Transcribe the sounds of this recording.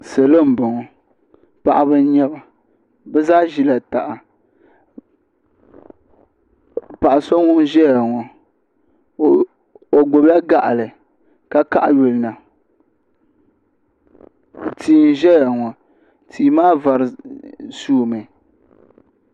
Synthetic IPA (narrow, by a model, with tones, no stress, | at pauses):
se˨lo˦m̩˨bɔ˨ŋɔ˨ | pa˦ʔa˦bɨ˦n˦ɲɛ˦ba˨ | bɛ˦zaː˦ʒi˦la˨ta˨ʔa˨ | pa˨ʔsɔ˦ŋɔ˦ʒɛ˦ja˨ŋɔ˨ | o˨ɡo˨ba˦ɡa˦ʔa̰˨lɨ˨ | ka˦ka˦ʔa˨ju˨lna˨ | tiː˨n˦ʒɛ˦ja˨ŋɔ˨ | tʰiː˨˦maː˦va˨ɾɨ˨suː˦˨mɨ˨